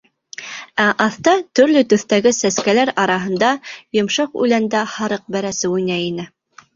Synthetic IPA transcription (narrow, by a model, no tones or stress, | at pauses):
æʔɑθt̪ɑt̪ɵ̆ɾlɵt̪ɵ̆θt̪æɡɘsæskælæɾɑɾɑɦɤ̆nd̪ɑjŏmʃɑqʉ̰lænd̪æhɑɾɤq̚bæɾæsɘujnæinɘ